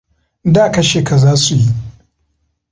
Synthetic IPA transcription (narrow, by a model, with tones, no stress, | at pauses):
daː˦˨kɐ˨ʃe˨ka˨zaː˦su˨ji˦